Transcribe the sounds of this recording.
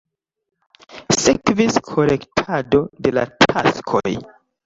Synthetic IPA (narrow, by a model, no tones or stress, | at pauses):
sek̚tviskʰo̞le̞ktʰado̞de̞la̰tʰa̰skʰo̞̰j